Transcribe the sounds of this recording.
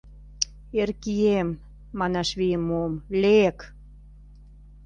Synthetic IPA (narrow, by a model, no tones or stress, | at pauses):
erkiemː | ɑnɑʃβijəmːomlek